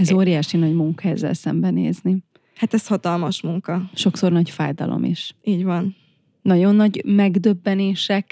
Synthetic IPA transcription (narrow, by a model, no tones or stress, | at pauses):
ɛzoːɾijaːʃinɒɟmuŋkɒɛzːɛ̰lsɛ̰mbɛnḛːzni | hat̪ɛshɒt̪ɒlmɒʃmuŋkɒʃo̞kso̞rnɒcfa̰ːjd̪ɒ̰lʔo̰mʔḭʃiːɟvɒn | nɒɟo̞nːɒɟmɛɡd̪øbːɛneːʃɛk